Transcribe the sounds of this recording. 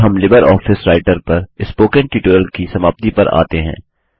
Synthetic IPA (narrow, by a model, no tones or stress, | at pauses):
ɦɐmlɪbəɾɔːfɪsɾaːɪʈəɾpɐɾɪspoːkə̃ɳʈiːʈuːɾəlkisɐmaːb̚t̪ipɐ̰ɾa̰ːt̪eɦɛ̰̃ː